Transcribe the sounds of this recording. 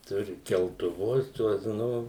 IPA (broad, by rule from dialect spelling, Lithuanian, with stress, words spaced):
ˈtʊrʲɪ kʲɛlˠtʊˈʋʊs ˈtuɔs ˈnʊ